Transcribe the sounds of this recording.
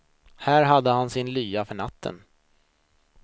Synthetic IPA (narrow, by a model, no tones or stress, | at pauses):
hæːɾɦad̪ːəhansɪnlyːafœɳat̪ʰːə̰n